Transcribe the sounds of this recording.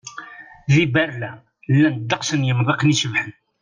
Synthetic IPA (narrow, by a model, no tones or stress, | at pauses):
ðibæɾlæ | lːænəd̪ːɑqsənjəmðˤeqniʃəvħən